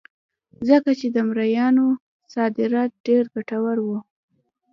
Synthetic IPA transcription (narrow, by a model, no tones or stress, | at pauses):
zəkat͡ʃed̪əmɾajɑno | sɑd̪ɪɾɑt̪̚ɖeɾɡaʈawaɾwu